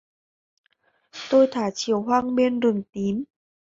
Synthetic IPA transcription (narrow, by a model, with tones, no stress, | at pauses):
t̪o˧jt̪ʰaː˧˩t͡ɕi˧˩əwɦwaː˧ŋɓe˧nɾɨ˨˩əŋt̪i˨˦m